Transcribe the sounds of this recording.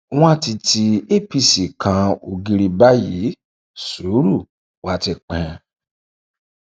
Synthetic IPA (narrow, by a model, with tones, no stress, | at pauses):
w̃ɔ̃˦˨ti˧tʰi˧e˦˨pi˧˨si˨kʰã˧o˧ɡi˧ɾi˧ba˦ji˨˦ | su˨˦ɾu˦˨ | wa˦˧ti˧k͡pɛ̃˨˧